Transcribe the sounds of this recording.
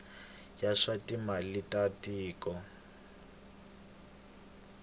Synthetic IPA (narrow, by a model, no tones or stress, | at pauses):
jaʂatimalitʼatiːkɔ